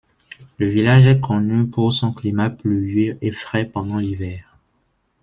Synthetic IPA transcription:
ləvilaʒɛkɔnypuʁsɔ̃klimaplyøʔefχɛpɑ̃d̪ɑ̃livɛːʁ

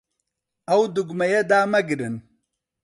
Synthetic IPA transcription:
ɐwd̪uɡmɐjɐd̪aːmɐɡiɾin

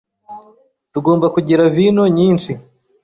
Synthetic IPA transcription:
tuɡo̞ːmbakuɟiɾavinoɲiːnt͡ʃi

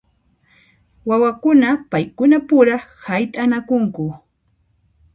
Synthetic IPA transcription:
wawakʊnapajkʊnapʊɾahajt̪ʼaːnakʊŋkʊ

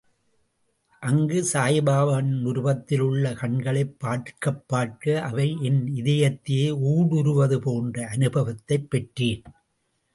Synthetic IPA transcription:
ʔɐŋɡɯsaːjɐbaːʋɐnnʊɾʋɐt̪ːɪlɯɭːɐkɐɳɡɐɭɐɪpːaːʈkɐpːaːʈkɐʔɐʋɐɪɛnɪðɐjɐt̪ːɪjeːuːɽʊɾɯʋɐðɯpoːndrɐɐnɯbɐʋɐt̪ːɐɪpːɛʈriːn

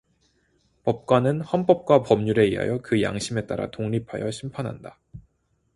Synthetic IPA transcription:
pʌp̚k͈wanɯnhʌnp͈ʌp̚k͈wapʌmɲuɾe̞iɦa̰jʌkɯja̰ŋɕʰime̞t͈a̰ɾa̰toŋɲipʰajʌɕʰimpʰanɦa̰nda

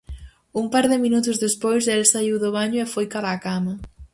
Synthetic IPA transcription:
umpaɾðɪminut̪ʊzðespojselsaiwðʊβaɲʊefojkalaːkamɐ

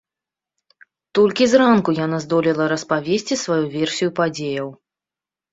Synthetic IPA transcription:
t̪ɔlʲkʲizrankujanazd̪ɔlʲɛlˠɐɾɐspavʲesʲt͡sʲisvajuvʲɛrsʲijupad͡zʲejɐw

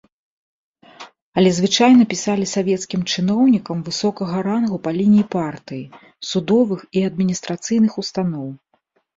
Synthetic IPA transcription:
ɐlʲɛzvɨt͡ʂajnɐpʲisalʲisavʲɛt̪skʲimt͡ʂɨnɔwnʲikɐmvɨsɔkɐɣɐɾanɣupɐlʲinʲijipart̪ɨji | sud̪ɔvɨxiɐd̪̚mʲinʲist̪ɾat̪sɨjnɨxust̪anɔw

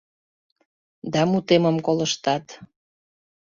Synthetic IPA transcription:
d̪ɑmut̪eməmkoləʃt̪ɑt̪

